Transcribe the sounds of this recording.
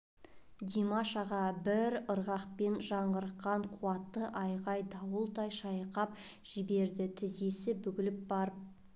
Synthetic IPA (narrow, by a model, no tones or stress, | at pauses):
d̪ʲimaʃɑʁɑbɪɾəɾʁɑqpe̞nʒɑɴʁəɾəqːɑɴqʰuɑt̪ːəʔɑjʁɑjd̪ɑwəlˠt̪ɑjʃɑjqɑp̚ | ʒ̥ɪbe̞ɾd̪ɪt̪ʰɪze̞sɪbʏɡʲɪlɪp̚bɑɾ